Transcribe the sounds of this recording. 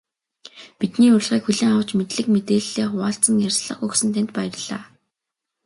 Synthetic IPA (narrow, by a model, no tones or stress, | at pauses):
pit̪niːʊrɮʁiːkxuɮiːŋaw̥t͡ɕmet̪ɮɘ̆kmet̪eːɮːeːχʊaːɬt͡sə̆ŋjarʲsɮə̆χɵxsɘ̆nt̪ʰænt̪̚pæj̆rɮa̰ː